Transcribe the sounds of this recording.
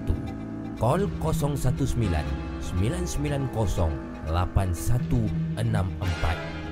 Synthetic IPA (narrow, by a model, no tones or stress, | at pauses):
t̪u | kɔlkɔsɔŋsat̪usəmila̰n | səmilansəmilankɔsɔŋ | lapansat̪uʔənaməmpa̰t̪̚